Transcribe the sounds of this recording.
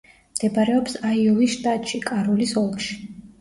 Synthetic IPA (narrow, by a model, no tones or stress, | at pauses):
md̪̥ɛbaɾɛɔpsaiulisʃt̪ʼat̪ʼʃikʼaɾulisɔlˠkʃi̥